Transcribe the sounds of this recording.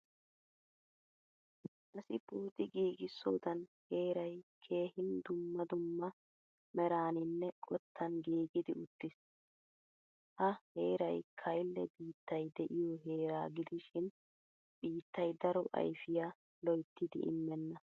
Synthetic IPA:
ʔɐsɪbuːt̪ɪɡiːɡɪsːo̰ːd̪ɐnhe̞ːɾɐjkʰe̞ːhɪnd̪ʊmːɐd̪ʊmːɐ | mɛɾaːnɪnːɛkʼɔt̪ʰːɐnɡiːɡɪd̪ɪʊt̪ːɪs | hɐhe̞ːɾɐjkʰɐjlːɛbiːt̪ːɐjd̪ɛʔɪjɔɦeːɾaːɡɪd̪ɪʃɪn | b̥iːt̪ːɐjd̪ɐɾɔʔɐ̰jfɪjaː | lɔjt̪ːɪd̪ɪ̰ʔɪ̰mːɛnːɐ

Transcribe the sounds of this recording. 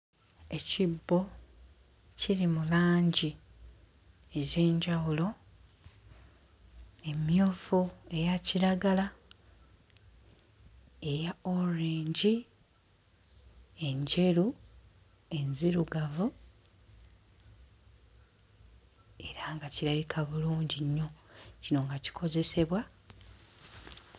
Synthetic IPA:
e̞cibːo̞ | ciɾimulaːɲɟi | eze̞ːɲɟawulo̞ | e̞mjoːfue̞jaciɾaɡala | ejaoɾiːɲɟi | e̞ɲɟe̞ɾu | e̞nziɾuɡavu | e̞ɾaŋɡaciɾaβikʰaβuluːɲɟiɲːo̞cino̞ŋɡaci̥kʰo̞ze̞se̞βwa

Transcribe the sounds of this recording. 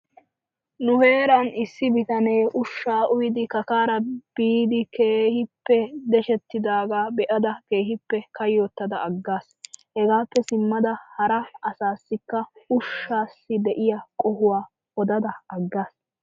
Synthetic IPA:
nʊhe̞ːɾɐnɪsːɪbɪt̪ɐne̞ːʔʊʃːaːʔʊjɪd̪ɪkɐkaːɾɐb̥iːd̪ɪkeːhɪpːɛd̪ɛʃɛt̪ːɪd̪aːɡaːbɛʔɐd̪ɐke̞ːhɪpːɛkɐjːoːt̪ːɐd̪ɐːɡːaːshɛɡaːpːɛsɪmːɐd̪ɐhɐɾɐɐsaːsːɪkːɐʊʃːaːsːɪd̪ɛʔɪjɐkʼɔhʊwaː | ɔd̪ɐd̪ɐɐɡːaːs

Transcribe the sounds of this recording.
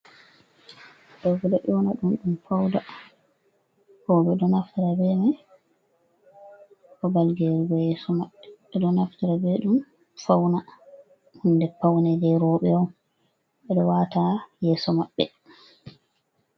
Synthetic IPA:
ɗɔvudaʔɔnaɗumɗumfawda | kɔbɛɗɔnaftiɾabɛma | ʔɔbalɡeɾiɡɔjɛsɔmaɓːɛɛɗɔnaftiɾabɛɗum | fawna | hundɛpawnadɛɾɔɓɛɔm | ɓɛɗɔwatajɛːsɔmaɓːɛ̰

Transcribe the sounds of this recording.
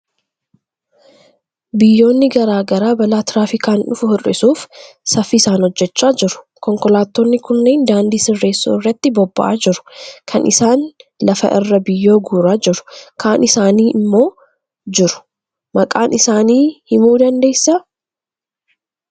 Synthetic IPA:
bɪjːo̞ːnːɪɡɐɾaːɡɐɾaːbɐlaːt̪ɪɾaːfɪkaːnᶑʊfʊhʊrːɪ̰suːfsɐfɪːsaːnhɔd͡ʒːɛt͡ʃːaːd͡ʒɪɾʊ̥ | kɔŋkɔlaːt̪ːoːnːɪkʊnːeːnd̪aːnd̪iːsɪrːe̞ːsːṵːɪrːɐt̪ːɪbɔbːɐ̰ʔaːd͡ʒɪɾʊ̥kʰɐnʔɪ̰saːnlɐfɐ̰ʔɪrːɐbɪjːo̞ːɡuːɾaːd͡ʒɪɾʊ̥kaːnʔɪsaːniːʔɪmːo̞ː | d͡ʒɪɾʊ̥ | mɐkʼaːnɪsaːniːhɪmuːd̪ɐnd̪e̞ːsːɐ

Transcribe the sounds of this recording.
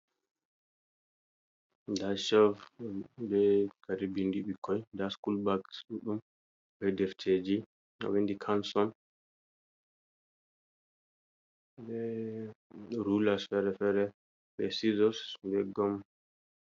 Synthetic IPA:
daʃɔvbɛkaɾibindiɓikʰɔjdaskulbaksɗuɗum | bɛdɛftʰed͡ʒi | a̰windikʰansɔn | bɛ | ɾulasfɛɾɛfɛɾɛ | ɓɛsizɔsbɛɡɔm

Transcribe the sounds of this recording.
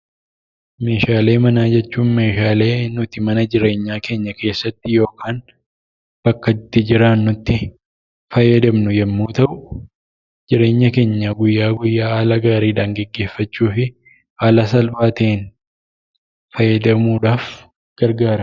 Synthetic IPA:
me̞ːʃaːle̞ːmɐnaːd͡ʒɛt͡ʃːuːnme̞ːʃaːle̞ːnʊt̪ɪmɐnɐd͡ʒɪɾe̞ːɲːaːke̞ːɲːɐke̞ːsːɐt̪ːɪjo̞ːkʰaːn | b̥ɐkːɐt̪ːɪd͡ʒɪɾaːnːʊt̪ːɪ | fɐjɛd̪ɐmnʊjɛmːuːt̪ɐʔʊ | d͡ʒɪɾe̞ːɲːɐke̞ːɲːɐɡʊjːaːɡʊjːaːaːlɐɡaːɾiːᶑaːŋɡɛɡːe̞ːfːɐt͡ʃːuːfɪ | ʔaːlɐsɐlbaːt̪eːn | fɐjɛd̪ɐmuːᶑaːf | ɡ̥ɐɾɡaːɾɐ

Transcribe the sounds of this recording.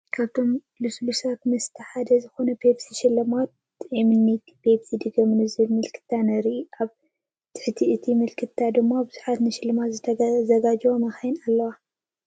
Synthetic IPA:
kʰaβt̪ʰo̞m | luslusat̪mɐst̪ʰɐħad̪ɐzɨxo̞nɐpʰebsiʃɪlːɐmat̪̚ | imɨnːit̪pʰebsid̪ɨɡɐmɨnɨzɨɨlmɨlkʰɨ̥t̪ʰːanɐɾiʔaβ | t̪ʰɨħt̪ʰiʔɨt̪ʰimɨlkʰɨt̪ʰːad̪ɨmːabɨzuħat̪nɨʃɪlːɨmat̪zɨzɐɡad͡ʒwomɐxajinalːɐwa

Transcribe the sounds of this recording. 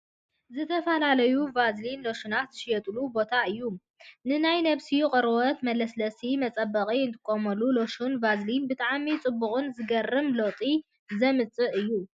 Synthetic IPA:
zɨt̪ʰɐfɐlalɐjuvazlinlo̞ʃunat̪zɨʃijɛt̪ʼlubo̞t̪ʰaɨjːu | nɨnajnɐβsiuqʼɨɾwot̪mɐlɐslɐsimɐt͡sʼɐbɐχʼiɨnt̪ʰɨ̥kʼːomɐlːulo̞ʃunvazlinbɨt̪ʼaʕmit͡sʼɨbːuχʼʊnzɨɡɐrːɨmlot̪ʼi | zɐmɨt͡sʼɨʔɨjːu

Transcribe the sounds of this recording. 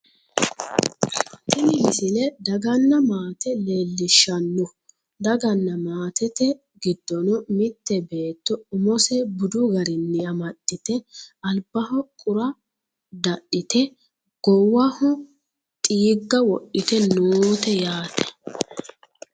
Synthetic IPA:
t̪ɪnɪmɪsɪlɛd̪ɐɡɐnːɐmaːt̪ɛleːlːɪʃːɐnːɔ | d̪ɐɡɐnːɐmaːt̪ɛt̪ɛ | ɡɪd̪ːɔnɔmɪt̪ːɛbe̞ːt̪ːɔʊmɔsɛbʊd̪ʊɡɐɾɪnːɪɐmɐɗːɪt̪ɛɐlbɐhɔkʼʊɾɐ | d̪ɐɗːɪt̪ɛ | ɡ̥ɔwːɐhɔ | t̪ʼiːɡːɐwɔʔɪt̪ɛnoːt̪ɛjaːt̪ɛ̥

